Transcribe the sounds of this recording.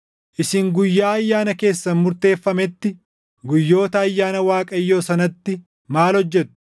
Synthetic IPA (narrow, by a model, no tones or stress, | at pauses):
ʔɪsɪŋɡʊjːaːɐjːaːnɐke̞ːsːɐmʊɾt̪e̞ːfːɐmɛt̪ːɪ | ɡʊjːo̞ːt̪ɐːjːaːnɐwaːkʼɐjːo̞ːsɐnɐt̪ːɪ | maːlhɔd͡ʒːɛt̪ʊ̥